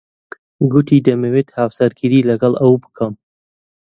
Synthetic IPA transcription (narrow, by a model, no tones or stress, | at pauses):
ɡut̪ʰiːd̪ɐmeweːt̪haːwsɐɾɡɨɾiːlɐɡɐlɐwbɨ̥kʰɐm